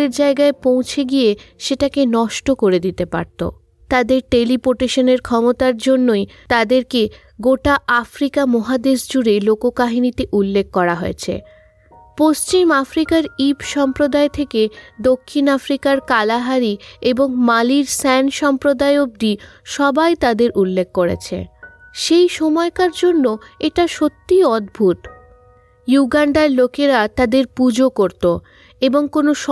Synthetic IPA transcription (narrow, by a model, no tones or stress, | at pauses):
eɾd͡ʑaeɡaepõw̃t͡ɕʰeɡijeʃeʈakenɔʃʈokoɾed̪it̪epa̰ɾt̪o̰ | t̪ad̪eɾʈelipoʈeʃoneɾkʰɔmot̪aɾd͡ʑonːojt̪ad̪eɾke | ɡoʈaʔafɾikamɔɦad̪eʃd͡ʑuɾelokokaɦinit̪eʔulːekʰːɔɾaɦoet͡ɕʰḛ | post͡ɕimafɾikaɾibʃɔmpɾod̪aet̪ʰeked̪okʰːinafɾikaɾkalaɦaɾieboŋmaliɾsɛnʃɔmpɾod̪aeob̚d̪iʃɔbajt̪ad̪eɾʔulːek̚koɾḛt͡ɕʰḛ | ʃejʃɔmɔekaɾd͡ʑonːoeʈaʃot̪ːiɔd̪bʱuʈ | juɡaɳɖaɾlokeɾat̪ad̪eɾpud͡ʑokoɾt̪o | eboŋkonoʃ